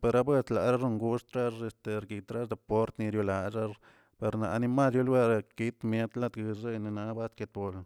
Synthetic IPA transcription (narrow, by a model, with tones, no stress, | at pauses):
pe˧ɾa˦bwe˦st̪la˨ɾa˦ʐo˦˧ŋɡu˦ʂt̪ɾa˦ʐe˧st̪e˨ɾɡi˨t̪ɾa˦sd̪e˧po˦ɾt̪ni˧ɾju˧la˨ʐa˦ɾ | pe˨˧ɾna˨˧ni˧ma˦sju˦lwe˦ɾa˧ki˦t̪mje˦t̪la˦˧t̪ɡɨ˧e˦jni˧na˧˦ba˦st̪ke˧t̪bo˨l